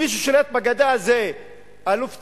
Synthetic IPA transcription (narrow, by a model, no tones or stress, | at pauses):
iʃ̬uʃolet̪̚baɡad̪aːze | aluft